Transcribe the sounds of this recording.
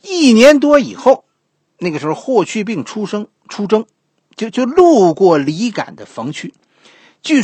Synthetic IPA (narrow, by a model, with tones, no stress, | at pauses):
i˥˩njɛ˧˥nt̪̬wɔ˥ḭ˨˩xo˥˩ʊ | na˥˩ɡə˩ʂɻ̩˧˥xʊxwɔ˥˧˩t͡ɕʰy˥˧p̬i˥˩ŋʈ͡ʂʰu˥ʂɤ˥ŋ | ʈ͡ʂʰu˥ʈ͡ʂɤ˥ŋ | t͡ɕjo˥˧ʊt͡ɕjo˥˧ʊlu˥˧kwɔ˥˩li˧˥ka̰˨˩nd̪ə˦fɤ˧˥ŋt͡ɕʰy˥ | t͡ɕy˥˩